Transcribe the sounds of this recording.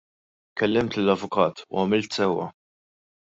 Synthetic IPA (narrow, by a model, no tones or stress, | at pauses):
kɛlːɪmt̪lɪlɐvʊkɐːt̪ʰṵɐmɪlt̪sɛwːɐ̰